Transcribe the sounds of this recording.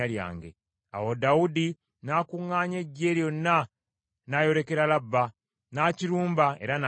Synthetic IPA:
alja̰ːŋɡe̞̰ | a̰wodaudi | nakuŋːaːɲe̞ɟːe̞ljo̞nːa | najo̞ɾe̞ke̞ɾalabːa | naciɾuːmbae̞ɾana

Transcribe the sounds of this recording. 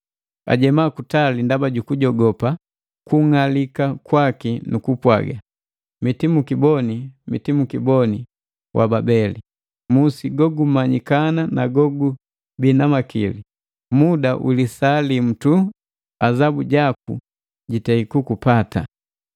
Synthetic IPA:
a̰ɟɛmakutalindabaɟukuɟɔɡɔpa | kuŋalikakwakinukupwa̰ɡa | mitimukibɔnimitimukibɔni | wʔa̰babɛlḭ | musiɡɔɡum̩mːaɲikananaɡɔɡu | binamakili | mudawʔilisaːlim̩tu | azabuɟak̚ṵ | ɟitɛikukupata̰

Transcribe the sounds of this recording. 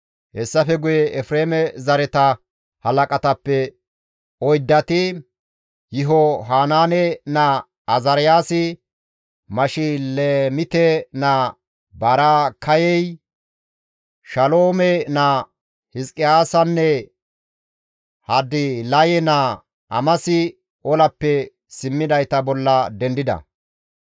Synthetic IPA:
hɛsːɐfɛɡʊjɛʔɛfɾeːmɛzɐɾɛt̪ɐ | hɐlɐkʼɐt̪ɐpːɛ | ɔjd̪ːɐt̪ɪ | jɪɦɔɦaːnaːnɛnɐː | zɐɾɪjaːsɪ | mɐʃɪlemɪt̪ɛnɐ | bɐɾaːkʰɐjɛj | ʃɐloːmɛnɐ | hɪskʼːɪjaːsɐnːɛ | hɐd̪ɪlɐjɛnɐ | ɐ̰mɐsɪ | ʔɔlɐpːɛ | sɪmːɪd̪ɐjt̪ɐbɔlːɐd̪ɛnd̪ɪd̪ɐ̰

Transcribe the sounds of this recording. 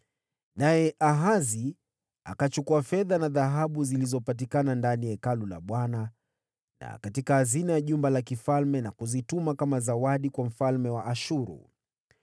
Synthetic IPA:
najɛʔaɦazi | a̰kat͡ʃukuafɛðanaðaɦaɓuzilizɔpat̬ikanandanijɛkalula̰ɓwana | na̰katikahazinajaʄumbalakifalmɛnakuzitumakamazawaɗikwam̩falmɛwaʔaʃuɾṵ

